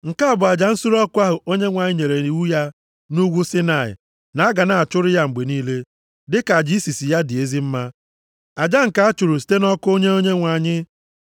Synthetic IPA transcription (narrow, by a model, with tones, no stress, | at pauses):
ŋ̩˨ka˦a˦˨bʊ˨a˨d͡ʒa˨n̩˦su˦ɾɔ˦kʊ˦a˦ɦʊ˨ʔo˦ɲe˦ŋʷa˨ɲɪ˦ɲe˨ɾe˨ɾi˨wu˦ja˦ | nu˦ɡʷu˦si˦na˨ɪ̰˨ | na˨a˦ɡa˨na˨a˨t͡ʃʊ˦ɾɪ˦ja˦ŋ͡m̩˨ɡ͡be˨niː˦le˦ | dɪ˦ka˨d͡ʒi˦i˦si˨si˨ja˦dɪ˨e˦zi˦m̩˦ma˦ | a˨d͡ʒa˦ŋ̩˨ka˨˦a˦t͡ʃu˨ɾu˨s̬i̥˨te˦nɔ˦kʊ˦o˦ɲe˦o˦ɲe˦ŋʷa˨ɲɪ˦